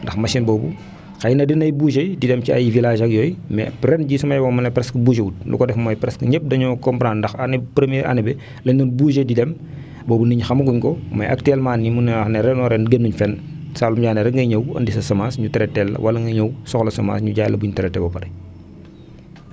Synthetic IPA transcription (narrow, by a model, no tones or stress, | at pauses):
ndɐxmɐsinbɔːbu | xɐjnɐdinɐjbuːʃejdidɛmciɐ̰jvilaːʒɐkjɔːjmɛ̰pɾɛnɟiːsumɐjwɔmɐnɐpɾɛskəbuːʃewut̚lṵkɔdɛfmɔjpɾɛskɲep̚dɐɲɔkɔmpɾandɐxɐnipɾemjɛɾʔɐ̰nɛbɛ | lɛɲunbuːʃejdidɛm | bɔːbuniɲxɐmɐɡuɲkɔmɐ̰jʔɐ̰k̚tɛlmaːnːimunɐnɛɾɛnɔɾɛnɡenːuɲfɛn | saːlumɟaːnɛɾɐŋɡɐɲɐwɐ̰ndisɐsɐmaːsɲutɛɾɛtɛlɐ̰wɐlɐŋɡɐɲɐwsɔxlɐsɐma̰ːsɲuɟaːjlɐbuɲutɛɾɛtɛbɐpɐɾɐ